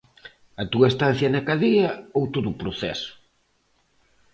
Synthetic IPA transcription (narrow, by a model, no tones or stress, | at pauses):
ɐt̪uɐest̪an̟θjɐnakaðiɐowt̪oðupɾoθɛ̰sʊ̥